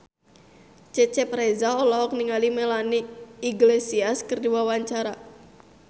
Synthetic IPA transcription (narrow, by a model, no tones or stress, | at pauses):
t͡ʃɛt͡ʃɛpɾɛzaɔlɔɔk̚niŋalimɛlaniiɡlesiaskɨrdiwawaɲt͡ʃaɾa